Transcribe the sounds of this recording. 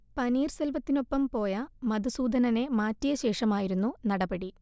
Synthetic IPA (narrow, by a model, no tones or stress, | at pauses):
pɐniːrselʋɐt̪ːino̞pːɐmpo̞ːjɐmɐd̪usuːd̪ʱɐnɐne̞maːtːijɐɕe̞ːʂɐmaːjiɾunːunɐɽɐbɐɽi